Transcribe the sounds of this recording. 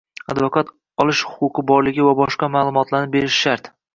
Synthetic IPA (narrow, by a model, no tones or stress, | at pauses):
ad̪vokat̪ | ɒlˠɪʃhʊ̥qʊqʰɨbɒɾlɪɡʲɪvabɒʃqɑmaːlˠʊmɒt̪laɾnɪbe̞ɾɪʃʃaɾt̪